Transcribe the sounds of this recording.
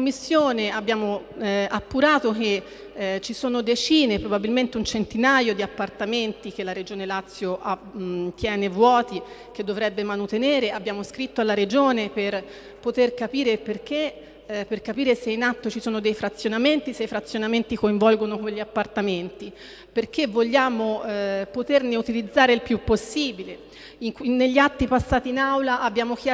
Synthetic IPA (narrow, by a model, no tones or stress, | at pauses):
omːisːjoːneabːjaːmoapːuɾaːt̪ok̟e | t͡ʃisoːnod̪et͡ʃiːnepɾobabilment̪eunt͡ʃent̪inajod̪iapːart̪ament̪ik̟elːaɾed͡ʒoːnelat̪sːjoʔat̪jɛːnevwɔːt̪i | k̟ed̪ːovɾɛbːemanot̪eneːɾeabːjaːmoskɾit̪ːoalːaɾed͡ʒoːneper | pot̪erkapiːɾeperk̟e | perkapiːɾeseinat̪ːot͡ʃisoːnod̪ejfɾat̪sːjonament̪iseifɾat̪sːjonament̪ikoiɱvɔlɡonokweʎːiapːart̪ament̪i | perk̟evːoʎːaːmopot̪erneut̪ilid̪zːaːɾeilpjupːosːiːbile | iŋknːeʎːiat̪ːipasːaːt̪iːnawlaʔabːjaːmoka